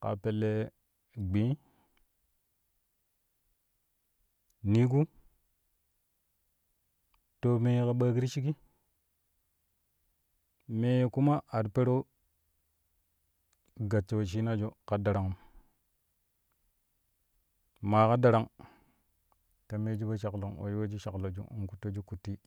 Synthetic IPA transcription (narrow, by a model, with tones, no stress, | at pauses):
ka̰˨pe˨lːe˨ | ɡ͡bĩ˨˦ | ni˦ɡu˦ | to˨me˨jka˨ɓaː˦ki˦ɾi˦t͡ʃi˦ɡi˦ | me˨jku˦ma˦ʔa˨dpe˦ɾo˦ | ɡa˨t͡ʃːa˨wa˨t͡ʃi˦na˦d͡ʒo˦ka˨da˨ɾa˨ŋu˨m | ma˨ka˦da˨ɾa˨ŋ | ta˨me˦d͡ʒi˦ba˦t͡ʃa˨klo˨ŋwo̰˨jwa˦d͡ʒi˦ʃa˨klo˨d͡ʒṵ˨ṵ˨ŋku˨to˦d͡ʒu˦ku˨tːi˦